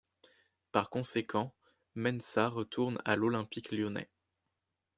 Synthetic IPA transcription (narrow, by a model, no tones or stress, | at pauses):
paʁkɔ̃sekʰɑ̃ | mɛnsaʁət̪ʰuʁna̰lɔlɛ̃pikljɔnɛ̰